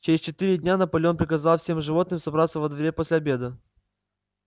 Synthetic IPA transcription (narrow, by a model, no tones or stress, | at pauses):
t͡ɕɪɾʲɪsʲt͡ɕɪt̪ɨɾʲɪdʲnʲanəpɐlʲonpɾʲɪkɐzalˠfsʲemʐɨvo̞t̪̚nɨmsɐbɾat̪sːəvəd̪vʲɐɾʲeposʲlʲɪɐbʲe̞d̪ə